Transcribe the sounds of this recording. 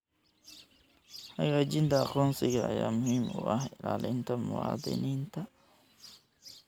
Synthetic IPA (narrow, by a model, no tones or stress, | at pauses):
hɐɣaːt͡ʃɪnt̪ʰɐɑqɔːnsɪɣɐ̰ːjaːmʊhiːmʊ̰ʔɐhɪlaːlɪnt̪ʰɐmʊwɑːd̪ɪ̰niːnt̪ʰɐ